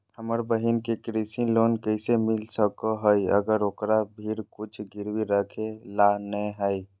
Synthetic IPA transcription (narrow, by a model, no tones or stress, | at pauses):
həməɾbəɦinkekɾisiloːnkəɪsemɪlsəkoɦəjə̰ɡəɾoːkɾabʱiːɾkʊt͡ʃʰɡɪɾwiɾəkʰelanəɦəi